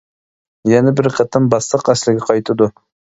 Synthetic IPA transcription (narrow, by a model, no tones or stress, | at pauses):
jɛnɛbɪɾqʰət̪ʰɨmbɑslˠəqæslɪɡʲɛqʰɑjt̪ʰɨd̪u